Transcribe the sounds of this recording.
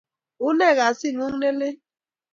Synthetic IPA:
u˦ne˦˨ɣa˨si˦˨ŋu˦ŋ̩˦ne˦le˦

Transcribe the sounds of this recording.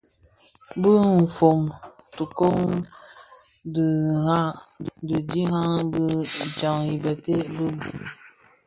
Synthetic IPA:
bə˦m̩˨fo˨m | tu˨ko˦ŋ | dha˦di˨d͡ʒi˦ɦa˦ŋbə˦˨d͡ʒa˨ŋi˨bə˨te˦bɨ˦bu˨

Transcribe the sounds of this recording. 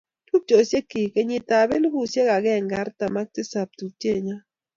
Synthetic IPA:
tu˦p̚t͡ʃo˨se˦ki˨ke˨ɲɪ˨ta˨be˦lu˦bu˦˨sje˦ka˨ɡɛ˦˨ŋɡa˨˦ɾta˨ma˦k̚tɪ˦sa˨p̚tu˨te˦˨ɲa˦

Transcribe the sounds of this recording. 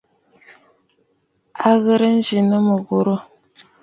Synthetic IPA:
a˦ɣə˦ɾə˦n̩˦d͡ʒi˨nə˦mə˨ɣo˨ɾo˦

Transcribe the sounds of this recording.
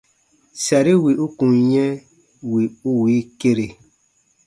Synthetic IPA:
sa˨ɾi˦wi˨ʔu˦kũ˨ɲɛ̃˦ | wi˨u˦wiː˨˦ke˦ɾe˨

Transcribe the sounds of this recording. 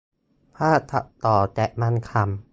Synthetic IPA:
pʰaː˥˩t̪ʰa˨˩ʔt̪ɔː˨˩t͡ɕɛ˨˩ʔma˧˥˨nkʰa˧˩m

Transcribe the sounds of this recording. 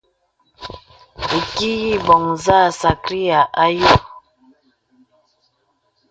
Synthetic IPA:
e˨ki˦ji˦bɔ˨ŋza˦˨sa˨kɾi˦a˨ʔa˦jo˦

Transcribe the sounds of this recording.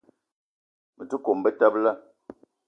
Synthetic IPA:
mə˨tu˦ko˨m˨bə˦ta˦bla˦

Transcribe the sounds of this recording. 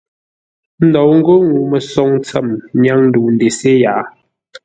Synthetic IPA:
n̩˦dɔ˨wŋ̩˦ɡo˦ŋu˨mɛ˨sɔ˦ŋt͡sɛ˦˨mɲa˦ŋn̩˦du˨n̩˨de˨se˦jaː˨˦

